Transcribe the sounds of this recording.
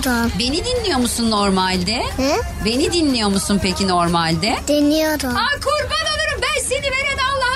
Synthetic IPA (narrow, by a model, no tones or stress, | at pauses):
ɾumbe̞nid̪inlʲijo̞musunːoɾmalʲd̪ɛhɛ | be̞nid̪inlːʲijo̞musunpecʰino̞ɾmalʲd̪ɛd̪̥inːijoɾuakʰuɾbanalˠɯɾɯmbænseniveɾenalˠːah